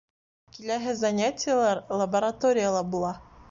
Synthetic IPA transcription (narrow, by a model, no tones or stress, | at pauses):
kilæɦɘzɐnʲatʲɪjalˠɑɾlˠɐbɐɾɐt̪oɾʲɪjəlˠɑbulˠɑ